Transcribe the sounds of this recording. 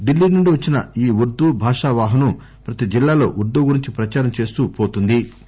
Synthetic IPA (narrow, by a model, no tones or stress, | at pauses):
ɖilːiːnuɳɖuʋɐt͡ʃːinɐiːʋuɾd̪uːbʱaːʂaʋaːɦɐnɐm | pɾɐt̪id͡ʒilːaːlo̞̰ːʔuɾd̪uːɡuɾiɲt͡ʃipɾɐt͡ʃaːɾɐmt͡ʃe̞ːst̪upo̞ːt̪und̪i